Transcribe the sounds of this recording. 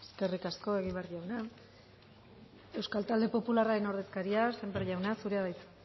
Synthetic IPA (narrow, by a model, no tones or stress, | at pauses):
e̥ske̞rikasko̞e̞ɣ̞imβrʝawna | e̞wskalt̪ald̪e̞po̞pularaɾe̞no̞ɾðe̞skaɾiase̞mbeɾʝawnasuɾe̞aðajt͡s